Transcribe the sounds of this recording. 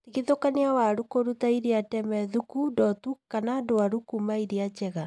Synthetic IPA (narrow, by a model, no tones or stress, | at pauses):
tiɣeðokaneawaɾukoɾutaiɾeatɛmɛðukudɔtukanaːdoaɾukumaiɾeat͡ʃɛɣa